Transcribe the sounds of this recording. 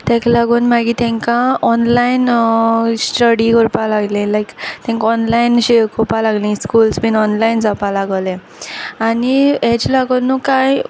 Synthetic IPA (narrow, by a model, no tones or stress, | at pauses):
t̪ɛ̃klaɡuːnmaɡit̪ɛ̃ŋkaɔnlain | sʈəɽiɡɔɾpalaɡlẽlajkt̪ɛ̃ŋkɔnlainɕekʰopalaɡlĩskulsbinɔnlaind͡zapalaɡəlẽ | aniet͡ɕlaɡənːukaj